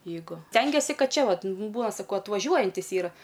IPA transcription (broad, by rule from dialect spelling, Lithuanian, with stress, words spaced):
jɛɪˈɡʊ ˈsʲtʲɛŋʲɡʲiɛsʲɪ ˈkɐt ˈt͡ʃʲɛ ˈʋɐt ˈbuːnɐ sɐˈkɐʊ ɐtʋɐˈʒʲuɔjɛnʲtʲɪs ˈiːrɐ